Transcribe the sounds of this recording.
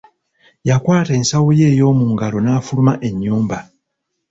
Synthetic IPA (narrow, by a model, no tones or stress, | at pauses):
jakwaːteːnsawoje̞ːjo̞ːmuːŋɡalo̞naːfulumaʔe̞ɲːuːmba